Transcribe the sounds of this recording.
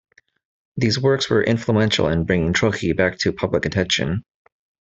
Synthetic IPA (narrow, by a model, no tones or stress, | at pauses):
ðizwɜ˞kswə˞ʔɪ̰̃ɱfluɛ̃nʃl̩ˠə̃nbɹɪ̃ŋɪ̃ŋtʰɹ̥oʊkʰibæk̚tʰɨpʰʌbləkɨtʰɛ̃nʃɨ̰̃n